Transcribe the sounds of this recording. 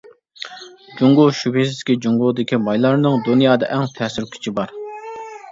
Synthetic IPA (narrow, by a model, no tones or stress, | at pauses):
d͡ʒuŋɡʊʃypezɪ̥kʲid͡ʒuŋɡʊd̪ɪkʲʰimɑjlˠɑɾnɨŋd̪unijɑːd̪ɑ̰ʔɛŋt̪ʰɛːsɪɾkʲʰy̥t͡ʃʰibɑɾ